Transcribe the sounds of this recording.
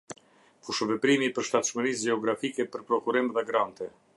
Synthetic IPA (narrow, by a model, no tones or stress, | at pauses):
fuʃvɛpɾimipəɾʃt̪at̪ʃməɾis̬d͡ʒɛɔɡɾafikɛpəɾpɾɔkuɾimðɛɡɾant̪ɛ